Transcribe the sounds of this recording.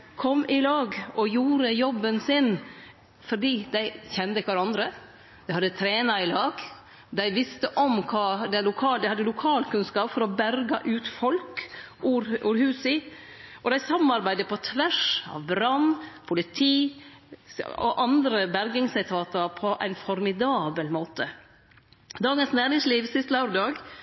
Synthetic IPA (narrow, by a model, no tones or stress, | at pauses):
kʰɔmːɪlɑːɡʔɔjuːɾəjɔbːənsɪn | fɔɖiːd̪æɪçɛnd̪əɪkəʋɑɾɑnd̪ɾə | d̪̥ɛɪhɑd̪ːət̪ʰɾeːnɑɪlɑːɡ̥ | d̪æɪʋɪst̪əʔɔmkʰɑːd̪ɛlʊkʰɑːd̪ɛhɑd̪ːəlʊkʰɑːlkʉnskɑːpfɔɾɔbæɾɡɑʔʉːt̪fɔlkuɾuːɾhʉːsɪ | ʔɔd̪æɪsɑmɑɾbæɪd̪əpʰɔt̪ʰʋæʂɑ̰ʋɾɑnpʰʊlɪt̪ʰiː | ɔ̰ʔɑnd̪ɾəbæɾɡɪŋsɪt̪ʰɑːt̪ɑɾpʰɔʔæ̰ɪnfɔɾmɪd̪ɑːbəlmoːt̪ə | d̪ɑːɡənsnæːɾɪŋsliːʋsɪst̪lɑʉɾəd̪ɑːɡ